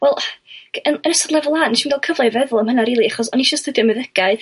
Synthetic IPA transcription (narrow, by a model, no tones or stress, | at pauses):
wɛlˠənənəsɔdlɛvlˠaːnːɛʃinɡalˠkʰəvlˠavɛðʊlˠəmhənaɾiːlˠiaχɔsɔniʃəstədjɔmɨðəɡ̥aɨ